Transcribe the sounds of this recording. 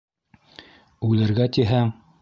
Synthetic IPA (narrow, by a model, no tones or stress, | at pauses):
ʉlɘ̆ɾɡæt̪iɦæ